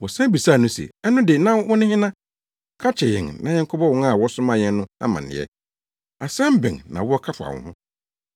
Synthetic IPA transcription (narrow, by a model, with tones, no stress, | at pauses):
wɔ˨sã˦bi˨sa˦˨nʊ̃˦sɛ̰˨ɛ˦nʊ̃˦dɪ˨nã˦nwɔ˦nɪ̃˦hɪ̃˦nã˦ | kʰa˦t͡ɕʰɛ˨jɪ̰̃˨ŋnã˦ɲɛ̃˦ŋ˦kʰɔ˦bɔ˦wɔ̃˦ŋa˦˨wɔ˦sʊ̃˦mã˦jɛ̃˦n˦nʊ̃˦a̰˦mã˨nɪ̰̃˨ɛ̰˦ | a˨sã˦m˦bɪ̰̃˨ŋnã˨wɔ˦ɔ˦kʰa˦fa̰˨wɔ̰̃˨hʊ̃˦